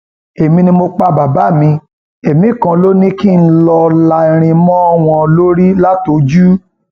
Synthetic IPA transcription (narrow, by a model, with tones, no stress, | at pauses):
e˨mĩ˧nĩ˧mo˧k͡pa˧ba˨ba˨˦˨mĩ˧ | e˨mĩ˨˦˨kã˧lo˦nĩ˦ki˦˨n̩˦lɔ˧la˧˨i˧ɾ̃ĩ˧mɔ̃˦ɔ˦w̃ɔ̃˧lo˦ɾi˦la˦to˨˦d͡ʒu˦